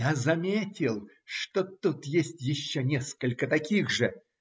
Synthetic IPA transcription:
jazɐmʲetʲɪlˠ | ʂt̪o̞t̪ut̪jesʲtʲjɪɕːonʲe̞skəlʲkət̪ɐkʲiɣʐɨ

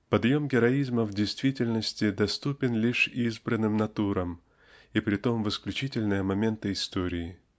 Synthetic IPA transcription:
pɐd̪jo̞mɡʲɪɾɐizməvdʲɪjst̪vʲitʲɪlʲnəsʲtʲɪd̪ɐst̪upʲɪnlʲiʂizbɾənːɨmnɐt̪uɾəm | ipɾʲɪt̪o̞mvɪsklʲʉt͡ɕitʲɪlʲnɨjəmɐmʲe̞nt̪ɨɪst̪o̞ɾʲɪɪ

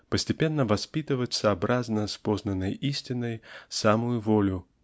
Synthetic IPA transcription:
pəsʲtʲɪpʲenːəvɐspʲit̪ɨvət͡sʲsɐːbɾʔaznəspɔznɐnːəjisʲtʲɪnəjsamʊjʊvɔlʲʊ

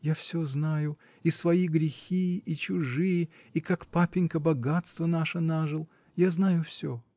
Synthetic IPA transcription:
jafsʲoznajʊ | isvɐiɡɾʲɪxʲiʔit͡ɕʊʐɨjə | ikakpapʲɪnʲkəbɐɡat̪st̪vənaʂənaʐɨlˠ | jaznajʊfsʲo

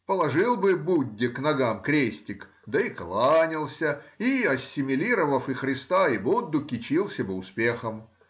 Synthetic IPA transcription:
pəlˠɐʐɨlˠbɨbudʲːɪknɐɡamkɾʲesʲtʲɪk | d̪ɐiklˠanʲɪlˠsʲəiɐsʲːɪmʲɪlʲiɾəvəfɨxɾʲɪst̪aibud̪ːʊkʲɪt͡ɕilˠsʲəbɨʊspʲexəm

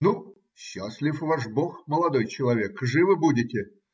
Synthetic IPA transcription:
nu | ɕːasʲlʲɪfvaʂboxməlˠɐd̪ojt͡ɕɪlˠɐvʲekʐɨvɨbudʲɪtʲɪ

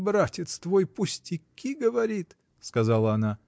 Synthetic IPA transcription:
bɾatʲɪt̪st̪vojpʊsʲtʲɪkʲʰːiɡəvɐɾʲit̪ | skɐzalˠəɐna

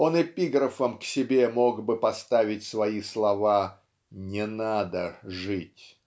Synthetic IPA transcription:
o̞nɪpʲiɡɾəfəmksʲɪbʲe̞mo̞ɡbɨpɐst̪avʲɪtʲsvɐislˠɐva | nʲɪnad̪əʐɨtʲ

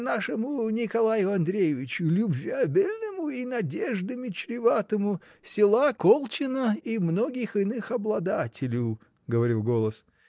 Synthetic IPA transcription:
naʂɨmʊnʲɪkɐlˠajʊɐnd̪ɾʲejɪvʲɪt͡ɕʊlʲʊbvʲiabʲɪlʲnɨmʊinɐdʲeʐd̪ɨmʲɪt͡ɕɾʲɪvat̪əmʊ | sʲɪlˠakolˠt͡ɕɪnəimnoɡʲɪxɨnɨxɐblˠɐd̪atʲʰɪlʲʊ | ɡəvɐɾʲilˠɡo̞lˠəs

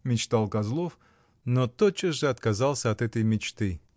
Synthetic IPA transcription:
mʲɪt͡ɕt̪alˠkazlˠof | not̪ot͡ʃːəsʐɨɐt̪kazɑlˠsʲəɐt̪ɛt̪əjmʲɪt͡ɕt̪ɨ

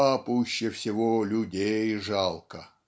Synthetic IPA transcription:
apuɕːɪfsʲɪvolʲʊdʲejʐɑlˠkə

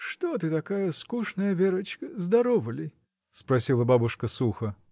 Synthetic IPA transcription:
ʂt̪ɔt̪̬ɨt̪akajɐskuʂnɐjɐvʲɛɾɐt͡ʃkəzd̪aɾɔvɐlʲi | spɾasʲilˠɐbabuʂkɐsuxɐ

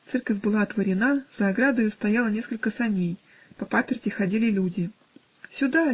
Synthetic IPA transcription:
t̪sɛrkəfʲbɨlˠat̪vəɾʲɪnaz̥əɐɡɾad̪əjʊst̪ɐjalˠənʲe̞skəlʲkəsɐnʲej | pɐpapʲɪrʲtʲɪxɐdʲilʲɪlʲudʲɪ | sʲʊd̪a

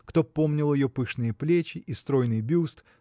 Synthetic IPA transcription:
kt̪o̞po̞mnʲɪlˠjɪjopɨʂnɨjəplʲet͡ɕɪʔist̪ɾo̞jnɨjbʲust̪

